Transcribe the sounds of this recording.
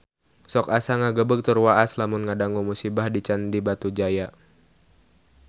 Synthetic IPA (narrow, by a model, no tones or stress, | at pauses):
sɔkasaŋaɡəbək̚t̪ərwaʔaslamʊnŋadaŋumusibahdit͡ʃandibat̪ud͡ʒaja